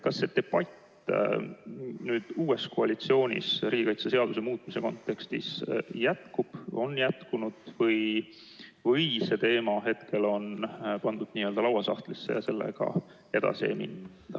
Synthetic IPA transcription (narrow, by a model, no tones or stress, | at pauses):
kɑsːe̞d̪̥e̞b̥ɑt̪ː | nyːd̪̥uːe̞sko̞ɑlit̪sio̞ːnʲḭsɾiːɡ̥ʲikɑjt̪sɑse̞ɑd̪us̬e̞muːt̪ˑmise̞ko̞nt̪ːˑe̞kst̪isjæt̪kub̥o̞njæt̪kunud̪̥vɤj | vɤjse̞t̪e̞ːmɑɦe̞t̪kʰe̞lo̞npɑnd̪̥ud̪̥niːøld̪ɑlɑwɑsɑht̪lisːe̞̰jɑse̞lːe̞̰ɡ̥ɑ̰ | e̞d̪̥ɑ̰siḛmḭn | d̪̥ɑ